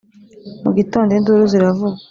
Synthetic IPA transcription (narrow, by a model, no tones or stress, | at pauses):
muɡitoːndenduɾuziɾavu